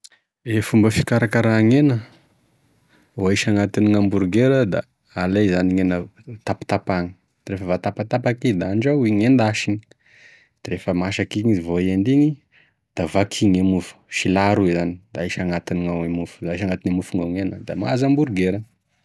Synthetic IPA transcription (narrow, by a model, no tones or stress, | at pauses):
efumbəfi̥kaɾakaɾaŋenə | aiʃaŋat̪iniŋambuɾɡeɾəd̪a̰ː | lezaniŋenət̪api̥t̪apaŋi̥ | refəvat̪apat̪apakid̪aɳɖ͡ʐaiŋend̪aʃini̥ | d̪̥ɾefəmaʃakiŋizivoend̪iŋi | d̪̥avakʰiŋemufu̥ʃilaɾuizanid̪̥aaʃaŋat̪iniŋawemufu̥daaʃaŋat̪inamufuŋaŋenəd̪ama̰zambuɾɡeɾə